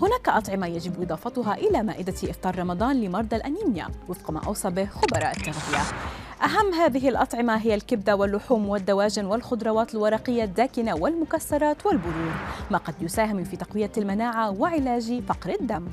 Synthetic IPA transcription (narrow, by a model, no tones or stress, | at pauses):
hʊnaːkaʔɑt̪ˤʕɪmajad͡ʒɪbʔɨd̪ˤɑːfɑt̪ʊɦɑʔɪlamaːʔɪd̪aʔɪft̪ˤɑːɾˤɾˤɑmɑd̪ˤɑːnlɪmɑɾˤd̪ˤɑlʔaniːmɪja̰wɪfqma̰ːʔɑ̰wsˤɑːbɪhxʊbɑɾˤɑ̰ːʔat̪ːaɾbɪja̰ʔaɦamːɦaːðɪɦɪlʔɑt̪ˤʕɪmaɦɪjːalkɪb̚d̪awɪlːʊħuːmwɪd̪ːawaːʒɪnwɪlxʊd̪ˤɾˤɑwɑːt̪ɪlwɑɾˤɑːqɪjːad̪ːaːkɪnawɪlmʊkasːɑɾˤɑːt̪wɪlbʊɾuːdmaqɑd̪jʊsaːɦɪmfiːt̪ɑqwɪjːalmanaːʕawɪʕɪlaːʒifɑqɾɪd̪ːamː